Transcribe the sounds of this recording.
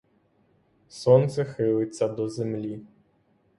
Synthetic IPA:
sɔnt̪sɛxɨlˠɨt̪ʲsʲːɐd̪ɔzʲɛmlʲi

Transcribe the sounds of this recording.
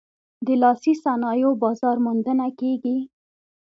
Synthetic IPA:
d̪əlɑsisanɑjobɑzɑɾmʊnd̪ənakeɡi

